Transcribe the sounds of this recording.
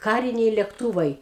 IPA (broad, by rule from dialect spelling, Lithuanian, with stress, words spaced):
ˈkɑːrʲɪnʲɛɪ lʲɛkˈtuːʋɐɪ